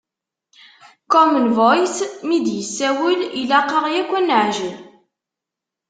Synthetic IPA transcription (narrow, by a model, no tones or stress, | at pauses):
kɔmənvojsmid̪jəsːæwəlilæqːəʁjækʷːænəʕʒəl